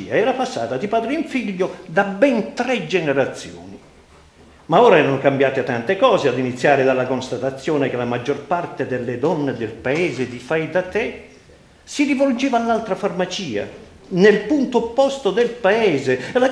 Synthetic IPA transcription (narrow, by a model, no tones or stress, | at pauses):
ḭːaɛːɾapasːa̰ːt̪ad̪ipaːd̪ɾiiɱfiʎːʊd̪abɛnt̪ɾɛd͡ʒɛneɾat̪sːjɔ̰ːni | maɔːɾaɛːɾanokambjaːt̪ɪt̪ant̪ekɔːzead̪init̪sːjaːɾɪd̪alːakonst̪at̪at̪sːjɔːnekɪlamad͡ʒːɔrpart̪ed̪elːɪd̪ɔnːed̪ɪlpaɛːzɪd̪ifajd̪at̪ːɛ | sirivold͡ʒɛːvaːlːalt̪ɾafarmat͡ʃiːa̰ | nelpunt̪opːɔst̪ʊd̪ɪlpaɛːzela